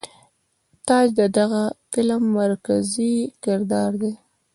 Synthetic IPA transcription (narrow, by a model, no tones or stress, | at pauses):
t̪ɑd͡ʒd̪əd̪aɣafɪlmːaɾkazikɪɾd̪ɑɾd̪e